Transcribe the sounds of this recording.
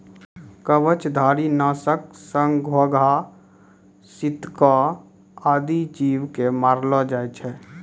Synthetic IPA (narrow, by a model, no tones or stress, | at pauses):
kəʋət͡ʃd̪ʱaːɾinaːsək̚səŋɡʱoɡʱa | sɪt̪ka | aːd̪it͡ʃiːʋkemaːɾlad͡ʒaːet͡ʃʰɛː